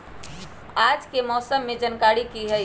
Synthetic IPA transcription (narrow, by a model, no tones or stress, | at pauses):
aːd͡ʒkemɔːsəmːed͡ʒənkaːɾikiɦəj